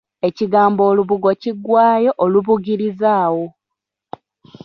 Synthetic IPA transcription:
e̞ciɡaːmbo̞ːluβuɡo̞ciɡwaːjo̞ʔoluβuɡiɾizaːwo

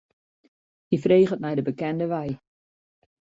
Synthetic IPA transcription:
hifreːχət̚mɛjdəbəkɛndəʋɛj

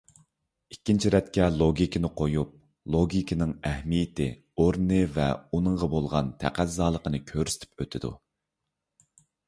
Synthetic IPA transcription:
ikʲːint͡ʃʰiɾɛt̪kʲɛlˠoɡʲikʰʲinɨqʰojup̚ | lˠoɡʲikʰʲinɪŋɛhmijɪt̪ʰɪ̰ | oɾnɨvɛ̰unɨŋʁɑbolˠʁɑ̰nt̪ʰæ̰qʰæzzɑːlˠəqənɨkʲʰøɾsɪ̥t̪ʰɪ̥p̚øt̪ʰɪd̪ṵ

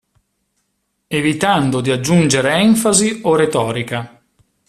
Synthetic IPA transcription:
evit̪and̪od̪iad͡ʒːund͡ʒeɾeɛɱfazioret̪ɔːɾika

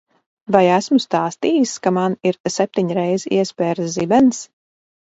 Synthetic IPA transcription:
vajæsmust̪aːst̪iːjiskamaniɾsɛp̚ʲt̪iɲɾɛjzḭɛspʲɛːɾszibɛns

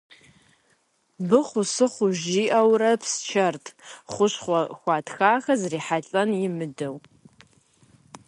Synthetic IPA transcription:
bɨχʷʊsɨχʷʊʒiːʔɐwrɐpʰst͡ʃʰɐrtʰʼχʷʊɕχʷɔxʷɑːtxaːxɐzriːħaɬʼɐnjɪmɨdɐw

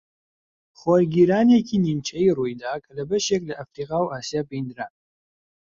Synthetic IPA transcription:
χʷɔɾɡʲiːɾaːnɛkʲʰinint͡ʃʰɐjruːjd̪aːkʰlɐbɐʃekʼlɐʔɐfriːqaːwʔaːsijaːpejnd̪ɾaː

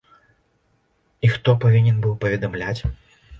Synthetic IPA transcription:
ixt̪ɔpavʲinʲɛnbɨwpɐvʲɛd̪amlʲat͡sʲ

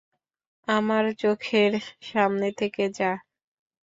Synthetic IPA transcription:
amaɾt͡ɕokʰeɾʃamnet̪ʰeked͡ʑa

